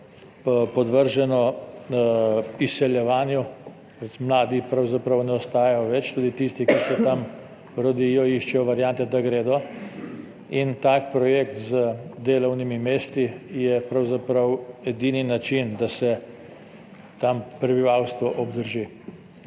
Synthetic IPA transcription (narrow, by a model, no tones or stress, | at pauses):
pɔd̪ʋəɾʒɛnɔ | isɛljɛʋaːnjɔ | pɾɛmlaːd̪ipɾawzapɾɐwnɛɔst̪aːjajɔʋɛt͡ʃt̪uːd̪it̪ist̪ikisɛt̪am | ɾɔd̪ijɔiʃt͡ʃɛjɔʋaɾjant̪ɛd̪aɡɾeːd̪ɔ | int̪aːkpɾɔjekt̪zəd̪eːlɔwnimimeːst̪ijɛpɾawzapɾɐwɛd̪iːninat͡ʃind̪asɛ | t̪ampɾɛbiʋawst̪ʋɔʔɔbd̪əɾʒi